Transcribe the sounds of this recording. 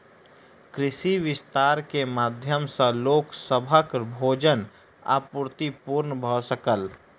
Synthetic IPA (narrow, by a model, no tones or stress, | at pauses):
kɾɪʃiʋɪst̪aːɾkemaːd̪ʱjəmsə̃loːksəbʱəkbʱoːd͡ʒən | a̰ːpʊɾt̪ipuːɾnbʱosəkəl